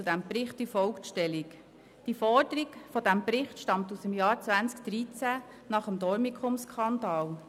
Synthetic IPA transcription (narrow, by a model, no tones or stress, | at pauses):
t͡sudæmpɾɪχtdəfɔlkʃtɛlik | d̥ifɔd̥̪əɾikfɔdæmpɾɪχtʃtɑmt̪usəmjɑːɾt͡sʋænt͡skd̪̥ɾit͡sæ | nɑχəmd̪ɔɾmikχʊmskʰɑnd̪ɑːl